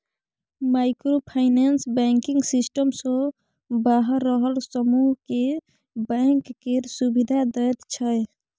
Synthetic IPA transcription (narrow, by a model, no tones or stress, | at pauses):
maɪkɾopʰaɪnansbɛŋkiŋɡsisʈəmsɔ̃ | baɦəɾːəɦəlsəmuɦke | bəŋkːeɾsubid̪ʱad̪ət̪t͡ʃʰə